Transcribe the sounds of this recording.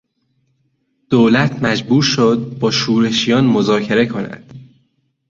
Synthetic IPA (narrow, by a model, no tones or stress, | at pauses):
d̪̥oːlæt̪ʰmæd͡ʒbuːɾʃod̪̚bɒːʃuːɾe̞ʃijɒːnmozɒːcʰe̞ɾekʰo̞næ̰d̪̥